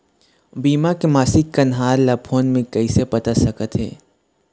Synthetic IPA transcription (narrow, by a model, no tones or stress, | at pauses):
biːmakemaːsɪkːɐnɦaːɾlɐpʰoːnmẽkɐisepɐt̪asɐkət̪ɦɛ̰ː